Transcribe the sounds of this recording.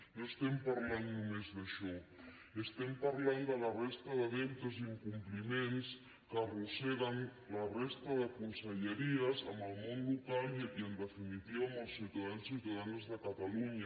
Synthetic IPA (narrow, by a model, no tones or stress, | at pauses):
noest̪empaɾlannumezðəʃɔ | est̪empaɾland̪əlarest̪aðəβent̪əziŋkumplimens | karuseɣan | larest̪aðəkunseʎeɾiazaməlˠmonlukaljiənd̪əfinit̪iβaməlˠsːut̪aðansut̪aðanzðəkat̪aluɲa